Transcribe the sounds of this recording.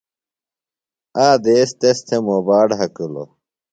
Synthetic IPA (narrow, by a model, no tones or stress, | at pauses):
aːd̪eːst̪est̪ʰemobaːɖɦɐkulo̰